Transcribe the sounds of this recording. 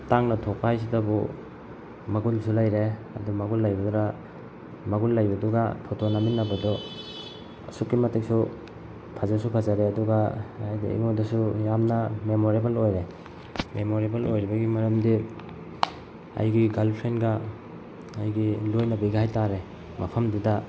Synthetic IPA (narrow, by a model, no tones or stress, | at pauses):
taŋnɐtʰok̚paajsidɐbṵ | mɐɡulsulajɾeɐ̰dumɐɡulːajbɐduɾa | mɐɡulːɐjbɐduɡapʰotonaminːɐbɐdɔ | ɐsukːimɐtik̚su | pʰazasupʰazaɾeɐduɡaajdḭḭŋodɐsujamnɐmemoɾebɐlojɾe | memoɾebɐlojɾibɐɡimɐɾɐmdi | a̰jɡiɡalpʰɾenɡɐ | ajɡilojnɐbiɡaajtaɾe | mɐpʰɐmdidɐ